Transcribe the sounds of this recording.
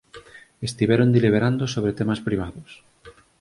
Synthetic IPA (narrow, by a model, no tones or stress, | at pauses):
est̪iβɛɾond̪iliβ̞eɾand̪osoβɾet̪emaspɾiβ̞aðʊs